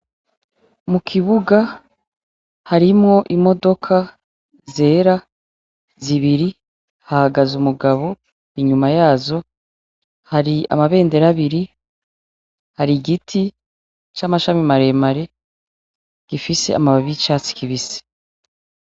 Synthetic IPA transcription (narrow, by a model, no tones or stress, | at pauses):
mukʰiβuɡa | haɾimŋo̞ʔimo̞do̞kʰa | ze̞ːɾa | ziβiɾi | hahaɡazumuɡaβo̞ | iɲumajaːzo̞ | haɾia̰maβe̞ːnde̞ɾaβiɾi | haɾiɡitʰi | t͡ʃamaʃamimaɾe̞maɾe̞ | ɡ̥ifise̞̰ʔa̰maβaβit͡ʃaːt͡si̥kiβise̥